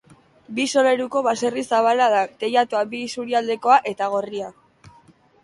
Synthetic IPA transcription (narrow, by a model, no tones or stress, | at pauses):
biso̞le̞ɾuko̞βase̞risaβ̞alaðat̪e̞jat̪uabisuɾiald̪e̞ko̞aʔe̞t̪aɣ̞o̞ria